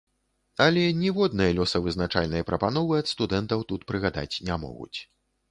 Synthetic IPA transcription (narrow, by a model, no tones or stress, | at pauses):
ɐlʲɛnʲɛvɔd̪̚nɨjɐlʲɔsɐvɨznat͡ʂalʲnɐjpɾɐpanɔvɨɐt̪st̪ud̪ɛnt̪ɐwt̪ut̪pɾɨɣad̪a̰t͡sʲnʲamɔ̰ɣṵt͡sʲ